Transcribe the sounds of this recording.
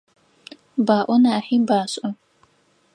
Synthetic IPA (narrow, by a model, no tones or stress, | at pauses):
baːʔʷɔnaːħiːbaːɕʼɐ